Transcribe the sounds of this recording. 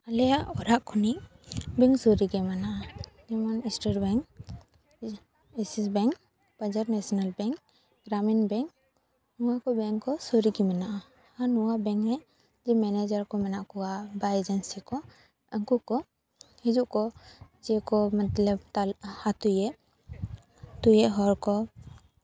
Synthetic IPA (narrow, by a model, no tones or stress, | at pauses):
alɛjaʔɔɾaʔkʰuniʔ | bɛŋsɔɾiɡɛmanaʔad͡ʒɛmɔnisʈeʈbɛŋk | ɛsisbɛŋk | bad͡ʒaɾnɛsɔnalbɛŋk | ɡɾaminbɛŋ | nuwakɔbɛŋkɔsoɾiɡimanaʔa | hanuwabɛ̃ŋkɦɛ | d͡ʒɛmɛned͡ʒaɾkɔmɛnaʔkɔwaʔbajed͡ʒənsikɔ | əŋkukɔ | hid͡ʒuʔkɔd͡ʒɛkɔmat̪lɛpt̪alhat̪ujɛʔ | t̪ujɛʔɦɔɾkɔ